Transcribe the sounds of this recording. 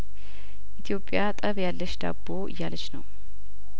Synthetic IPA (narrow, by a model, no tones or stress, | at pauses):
ʔit̪ʰijo̞pʼjat̪ʼəβjalːəʃd̪a̰bːo̞ʔɨ̰jːalət͡ʃnəw